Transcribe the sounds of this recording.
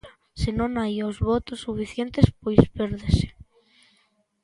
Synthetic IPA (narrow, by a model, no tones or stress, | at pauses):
sɪnõŋajozβɔt̪osːufiθjent̪espojspeɾðese̥